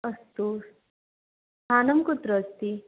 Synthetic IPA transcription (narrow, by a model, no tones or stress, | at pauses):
ɐst̪u | t̪ʰaːnɐmkut̪ɾəst̪i